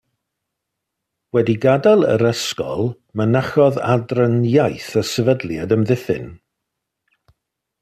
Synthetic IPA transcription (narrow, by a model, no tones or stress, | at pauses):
wɛdiɡadalˠə̰ɾəskɔ̰lˠ | mənaχɔða̰drənjajθəsəvədlˠjadəmðɪθɪ̰n